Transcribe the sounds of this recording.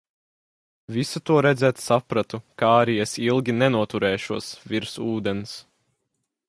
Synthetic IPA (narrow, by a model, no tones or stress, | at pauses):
visut̪uɔɾɛd̪zɛːt̪sapɾat̪ukaaɾiesilˠɡʲinɛnuɔt̪uɾɛːʃuɔsviɾsuːd̪ɛns